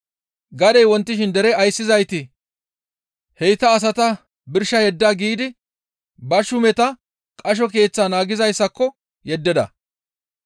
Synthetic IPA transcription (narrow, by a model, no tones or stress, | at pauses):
ɡɐd̪ɛjwɔnt̪ːɪʃɪnd̪ɛɾɛɐjsːɪzɐjt̪ɪ | hɛjt̪ɐːs̬ɐt̪ɐ | bɪɾʃːɐjɛd̪ːaːɡiːd̪ɪ | bɐʃʊmɛt̪ɐ | kʼɐʃ̬ɔk̬e̞ːt͡sːaːnaːɡɪzɐjsːɐkːɔ | jɛd̪ːɛd̪ɐ̰